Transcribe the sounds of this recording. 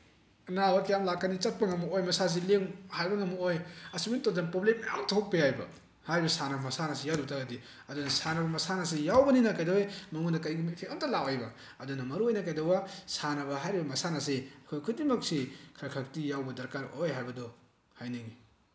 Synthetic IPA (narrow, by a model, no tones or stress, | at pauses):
ɐnaokjamlakːɐnit͡ʃɐt̚pɐŋɐmuojmɐsas̬ileŋhajbɐŋɐmuojɐsimintozanpɾoblemjaŋtʰok̚pijajbɐ̰ | hajɾibɐsanɐbɐmɐsanɐsijawdutʰaɡɐdi | ɐdunɐsanɐbɐmɐsanɐsijawbɐninɐkajdawjmɐŋunɐkɐjɡimipʰekɐmtɐlawajbɐ | ɐdunɐmɐɾuojnɐkajdɐwɐsanɐbɐɦajɾibɐmɐsanɐs̬eɐkʰojkʰudimɐksikʰaɾkʰak̚tijawbɐdɐɾkaɾojɦajbɐdɔ | hajniŋi